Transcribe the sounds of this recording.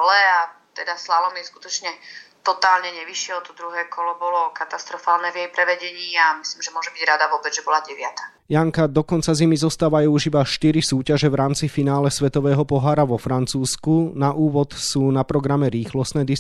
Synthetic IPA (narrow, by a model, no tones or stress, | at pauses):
lɛat̪ɛd̪aslalɔmisku̥t̪ɔt͡ʃɲɛt̪ɔt̪aːlɲɛɲɛʋiʃɪɛɔt̪ɔd̪ɾuɦɛːkɔlɔbɔlɔkat̪ast̪ɾɔfaːlnɛːvjɛjpɾɛʋɛɟɛɲiːamisliːmʒɛmʊɔʒɛbiɟɾad̪aʋɔːbɛd͡zʒɛbɔlaɟɛʋɪat̪ḁ | jaŋkad̪ɔkɔnt͡sazimizɔst̪aːʋajuːuʒibaʃt̪iɾisuːcaʒɛʋɾaːmt͡sifinaːlɛsʋɛt̪ɔʋɛːɦɔpɔɦaːɾaʋɔfɾant͡suːskunaʔuːʋɔt̪suːnapɾɔɡɾamɛɾiːxlɔst̪nɛːd̪i